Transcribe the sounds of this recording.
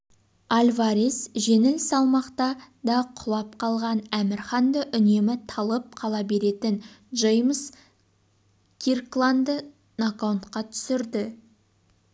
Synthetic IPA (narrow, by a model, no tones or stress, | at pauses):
alʲvaɾisʒe̞nɪlsɑlˠmɑqt̪ɑ | d̪ɑqʰʊlˠɑp̚qʰɑlˠʁɑnæmɪɾχɑnd̪əʔʏne̞mɪt̪ʰɑlˠəp̚qʰɑlˠɑbe̞ɾe̞t̪ɪnʒejms | kʲʰirklˠand̪ə | nakawnt̪qɑt̪ʰʏ̥sɪɾd̪ɪ